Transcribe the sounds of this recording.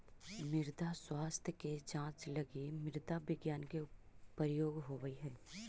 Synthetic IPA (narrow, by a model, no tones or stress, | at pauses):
mɪɾd̪ʱaswaːst̪ʰjəked͡ʒãːt͡ʃlɐɡimɪɾd̪ʱabɪɡjaːnkepəɾjoːɡɦoʋəiɦɛː